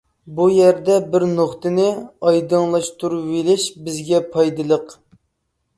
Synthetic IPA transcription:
bujɛɾd̪ɛbɪɾnoχt̪ɨnɪɑjd̪ɨŋlˠɑʃt̪uɾuvelɪʃbɪzɡʲɛpʰɑjd̪ɨlˠəq

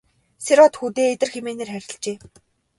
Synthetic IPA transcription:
seɾɔt̪xut̪eːet̪ɘ̆rxemeːneːrxæɾʲɪ̆ɬt͡ɕeː

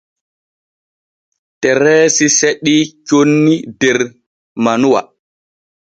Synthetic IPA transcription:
tɛɾɛːsiseɗit͡ʃonːidɛɾ | manuwa̰

